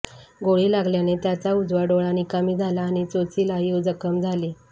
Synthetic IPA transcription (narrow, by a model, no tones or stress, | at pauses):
ɡoɭiːlaɡljanet̪jat͡saud͡zʋaɖoɭanikamiːd͡zʱalaːɽ̃it͡sot͡siːlajuwd͡zəkəmd͡zʱali